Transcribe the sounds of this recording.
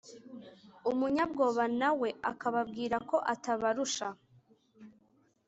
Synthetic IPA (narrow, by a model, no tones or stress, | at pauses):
umuɲabɡo̞ːβanawe̞akaβabɡiːɾako̞ʔataβaɾuʃa